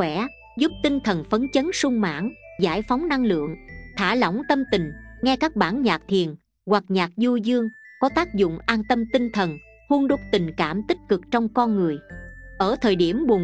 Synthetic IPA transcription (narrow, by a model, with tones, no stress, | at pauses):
wɛ˧˩ | zu˦˥p̚t̪ï˧ŋt̪ʰə˨˩nfə˨˦nt͡ɕə˨˦nsʊ˧ŋ͡mma̰ː˧˥ŋzaː˧˩jfa˨˦wŋ͡mna˧ŋlɨ̰˧˨əŋt̪ʰaː˧˩lɔ̰˧˩˥wŋ͡mt̪ə˧mt̪ï˨˩ŋ̟ŋɛ˧kaː˦˥k̚ɓaː˧˩nɲaː˨˩k̚t̪ʰi˨˩ən | ɣwa˨˩k̚ɲaː˨˩k̚zu˧zɨ˧əŋkɔ˨˦t̪aː˦˥k̚zʊ̰˧˨ŋ͡mʔaː˧nt̪ə˧mt̪ï˧ŋt̪ʰə˨˩n | hu˧ənɗo˦˥t̚t̪ï˨˩ŋkaː˧˩mt̪ï˦˥k̚kɨ˨˩k̚t͡ɕɔ˧wŋ͡mkɔ˧nŋɨ˨˩əjʔəː˧˩t̪ʰəː˨˩jɗi˧˩əmɓʊ˨˩